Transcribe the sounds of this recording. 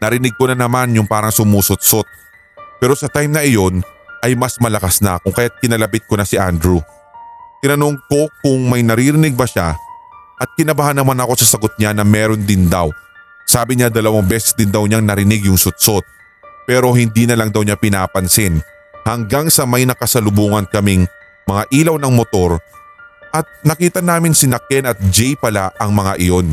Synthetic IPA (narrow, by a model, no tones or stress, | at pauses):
nɐɾɪnɪɡ̚konanɐmanjʊŋpaːɾɐŋsʊmuːsʊt̪̚sot̪̚ | pɛːɾo̞sɐt̪ajmnɐʔɪjo̞nʔɐjmɐsmɐlɐkasnɐ̰kʊŋkɐjat̪̚kɪnɐlɐbɪt̪̚konɐsɪʔand̪ɾu | t̪ɪnɐnoŋko̞kʊŋmɐjnɐɾiːɾɪnɪɡ̚bɐʃa̰ʔɐt̪̚kɪnɐbɐhanɐmanɐko̞sɐsɐɡot̪̚ɲanɐmɛːɾo̞nd̪ɪnd̪aw | saːbɪɲad̪ɐlɐwɐŋbɛːsɛ̥sd̪ɪnd̪ɐwɲaŋnɐɾɪnɪɡjʊŋsʊt̪̚sot̪̚ | pɛːɾo̞hɪnd̪iːnɐlɐŋd̪ɐwɲapɪnaːpɐnsɪn | hɐŋɡaŋsɐmɐjnɐkɐsɐlʊbuːŋɐnkɐmiŋ | mɐŋaʔiːlɐwnɐŋmot̪o̞ɾ | ʔɐt̪̚nɐkiːt̪ɐnaːmɪnsɪnɐkɛnɐt̪̚d͡ʒɛjpɐlaʔɐŋmɐŋaʔɪjo̞n